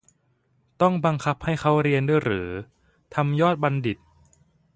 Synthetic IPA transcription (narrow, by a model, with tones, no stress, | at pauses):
t̪ɔ˥˩ŋba˧ŋkʰa˦˥p̚ha˥˩jkʰa˦˥wɾi˧əndu˥˧˩jɾɯː˩˦ | t̪ʰa˧mjɔː˥˩t̪̚ba˧ndi˨˩t̪̚